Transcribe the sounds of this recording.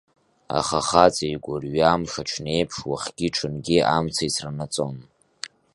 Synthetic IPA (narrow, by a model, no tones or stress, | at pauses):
a̰χaχat͡sʼajɡʷʊrɥamʂaʈ͡ʂʷʰne̞jpʰʂwaχɡ̥ʲiʈ͡ʂʰɨnɡʲiamt͡sʰaisʰranat͡sʼo̞n